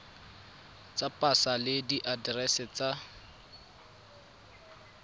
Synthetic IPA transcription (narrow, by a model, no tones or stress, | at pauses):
t͡sapʼasalɪdiʔadrɛsɛt͡sa